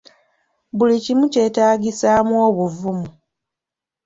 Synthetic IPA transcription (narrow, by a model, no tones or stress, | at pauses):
βulicimuce̞taːɡisaːmwoːβuvumu